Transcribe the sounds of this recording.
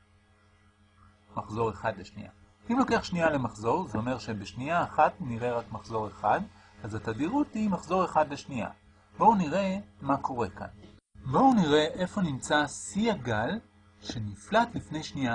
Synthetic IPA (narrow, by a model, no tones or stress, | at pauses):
maχzo̞ʁe̞χadle̞ʃnḭʔa̰ | imlo̞ke̞aχʃniale̞maχzo̞ʁzeo̞me̞ʁʃe̞beʃniaːχatniʁe̞ʁakmaχzo̞ʁe̞χad | azatadiʁut̪imaχzo̞ʁe̞χad̪le̞ʃnia̰ | bo̞uniʁe̞mako̞ʁe̞ka̰n | bouniʁe̞ʔe̞fo̞nimt͡sasiaɡal | ʃe̞niflatlifne̞jʃnia